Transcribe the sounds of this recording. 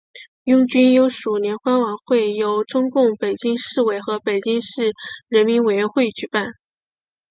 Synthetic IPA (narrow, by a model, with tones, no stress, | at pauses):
jʊ˥˩ŋt͡ɕy˥njo˧˥ʊʂu˨˩njɛ˧˥nxwa˥nwɑ˨˩˦ŋxwe˥˩ɪjo˧˥ʊʈ͡ʂʊ˥ŋkʊ˥˩ŋpe˨˩ɪt͡ɕi˥ŋʂɻ̩˥˩we˧˩ɪxɤ˧˥pe˨˩ɪt͡ɕi˥ŋʂɻ̩˥˩ɻə˧˥nmi˧˥nwe˨˩ɪɥɛ˧˥nxwe˥˧ɪt͡ɕy˧˥pa˥˩n